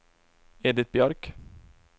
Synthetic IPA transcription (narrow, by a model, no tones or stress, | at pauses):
eːd̪ɪt̪̚bjœɾk